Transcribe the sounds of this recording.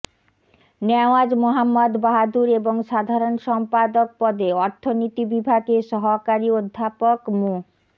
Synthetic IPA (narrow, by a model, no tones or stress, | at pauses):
nɛoad͡ʑmoɦamːod̪baɦad̪uɾeboŋʃad̪ʱaɾonʃɔmpad̪ok̚pɔd̪eɔɾt̪ʰonit̪ibibʱaɡeʃɔɦokaɾiod̪ʱːapokmu